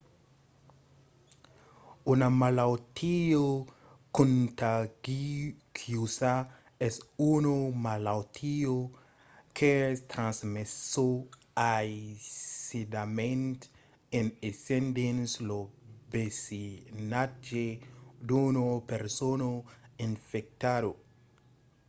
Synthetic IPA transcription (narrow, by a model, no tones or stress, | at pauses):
unamalawt̪ʰio | kũnt̪aɡikʰjusa | ɛsunomalawt̪ʰio | kʰest̪ɾãnsmeso | ajsid̪amẽnt̪ | enesend̪enslobesinad͡ʒed̪unopeɾsonoiɱfek̚t̪ado